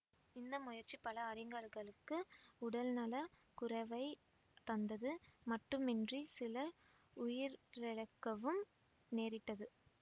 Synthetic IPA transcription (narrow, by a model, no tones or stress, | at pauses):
ɪnd̪ɐmʊjɐɾt͡ʃːipɐlɐːɾɪŋɡɐɾɣɐɭɯkːɯʊɽɐlnɐlɐkʊɾɐʋɐɪ | t̪ɐnd̪ɐðɯmɐʈːɯmɛndrisɪlɐ | ʊjɪɾɛɻɐkːɐʋɯm | neːɾɪʈːɐðɯ